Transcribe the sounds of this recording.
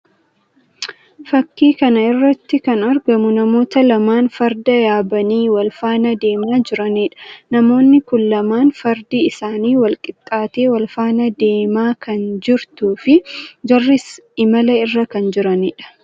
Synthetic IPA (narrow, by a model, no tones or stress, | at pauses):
fɐkːiːkɐnɐɪrːɐt̪ːɪkɐnɐɾɡɐmʊnɐmo̞ːt̪ɐlɐmaːnfɐɾd̪ɐjaːbɐniːwɐlfaːnɐd̪e̞ːmaːd͡ʒɪɾɐniːᶑɐ̥nɐmo̞ːnːɪkʊlːɐmaːnfɐɾd̪iːɪsaːniːwɐlkʼɪt̪ʼːaːt̪e̞ːwɐlfaːnɐd̪e̞ːmaːkʰɐnd͡ʒɪɾt̪uːfɪd͡ʒɐrːɪsɪmɐlɐɪrːɐkɐnd͡ʒɪɾɐniːᶑɐ̥